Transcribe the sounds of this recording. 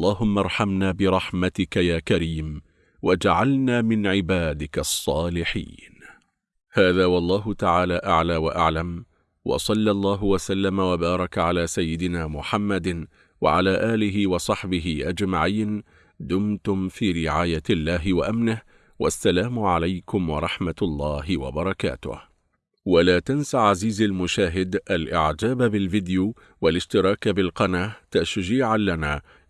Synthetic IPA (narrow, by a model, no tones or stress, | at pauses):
lˤːɑːɦʊmːɑɾˤħamnaːbɪɾˤɑħmat̪ɪkajaːkaɾiːm | wad͡ʒaʕalnaːmɪnʕɪbaːd̪ɪkasˤːɑːlɪħḭːn | haːðaːwɑlˤːɑːɦʊt̪aʕaːlaːʔaʕlaːwaʔaʕlam | wɑ̰sˤɑlːɑlˤːɑːɦʊwasalːamawabɑːɾˤɑkʕalaːsajːɪd̪ɪnaːmʊħamːad̪ | wa̰ʕalaːʔaːlɪɦɪwɑsˤɑħbɪɦɪʔad͡ʒmaʕiːn | d̪ʊmt̪ʊmfiːɾɪʕaːjalːaːɦɪwaʔamnɪh | wʔa̰sːalaːmʊʕalajkʊmwɑɾˤɑħmat̪lˤːɑːɦɪwa̰bɑɾˤɑka̰ːt̪ʊ̰h | walaːt̪ansaʕaziːzalmʊʃaːɦɪd̪ʔalʔɪ̰ʕd͡ʒaːbabɪlvɪd̪ju | walɪʃt̪ɪɾˤɑːkbɪlqɑnaːt̪aʃd͡ʒiːʕalanaː